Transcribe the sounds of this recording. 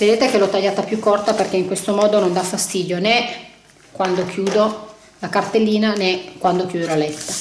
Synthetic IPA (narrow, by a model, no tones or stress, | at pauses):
ved̪eːt̪ekelot̪ːaʎːaːt̪apjukːort̪aperkeiŋkwest̪omɔːd̪onond̪afːast̪iːd̪jonɛ | kwand̪okʰjuːd̪o | lakart̪elːiːnanɛkwand̪okjuːd̪olalɛt̪ːḁ